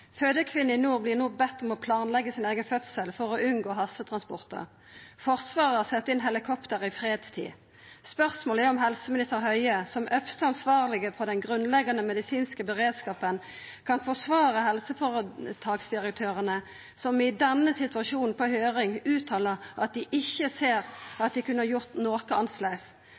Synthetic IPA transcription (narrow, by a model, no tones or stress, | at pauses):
føːd̪əkʰʋɪnːəɪnuːʁblɪʁnuːbɛt̪ːɔmɔpʰlɑːnlɛɡːəsɪneːɡənfœt̪səlfɔʁɔʉnɡoːɦɑsːət̪ʰʁɑnspɔ̰ʁt̪ʰə̰ʁ | fɔʁsʋɑːʁəɑsɛt̪ːəɪnɦɛlɪkʰɔpt̪əʁɪfʁeːd̪st̪ʰḭː | spœʁsmoːlæʁɔmhɛlsəmɪnɪst̪əʁɦœʏəsɔmœfst̪əɑnsʋɑːʁlɪɡəfɔʁd̪ɛnɡʁʉnlɛɡɑnəmɛd̪ɪsiːnskəbəʁeːd̪skɑːpən | kʰɑnfɔʂʋɑːʁəhɛlsəfɔʁət̪ʰɑːɡsd̪ɪʁək̚t̪ʰøːʁənə | sɔmɪd̪ɛnːəsɪt̪ʋɑʃuːnn̩pʰɔhøːʁɪŋʉːt̪ʰɑːləʁɑ̰t̪̚d̪ɪʔɪçːəseːʁɑt̪̚d̪ɪkʉnəəʁjʊʁt̪noːkəɑnsleːɡs